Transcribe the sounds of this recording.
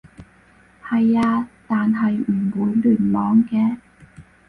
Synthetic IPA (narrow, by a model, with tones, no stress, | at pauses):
hɐ˨jaː˧t̪aː˨nɦɐ˨jm̩˨˩wuː˨˥jlyː˨˩nmɔː˨˥ŋkɛː˧